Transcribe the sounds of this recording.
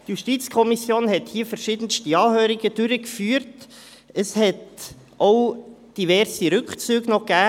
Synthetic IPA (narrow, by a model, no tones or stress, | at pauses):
tjuʃtit͡skʰɔmisjoːnhɛthiːfɛɾʃiːd̥̪ənstiɑːhøːɾiɡəd̥ʏɾəkfyːəɾt | əshɛt | ʔoʊ | d̥ivɛɾsiɾʏkt͡syːɡnɔɡ̥æː